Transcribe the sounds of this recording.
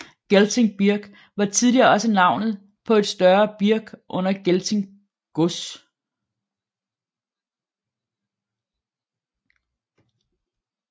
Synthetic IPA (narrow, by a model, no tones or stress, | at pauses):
ɡ̥elt͡sʰeŋb̥iɐɡ̥ | ʋɑ̈t͡sʰiðˠliɐɒ̽sənɑ̈ʊ̰nð̩ˠ | pʰɒ̽e̝d̥sd̥ɶɐb̥iɐɡ̥ʔɔ̽n̰ɐɡ̥elt͡sʰeŋ | ɡ̥os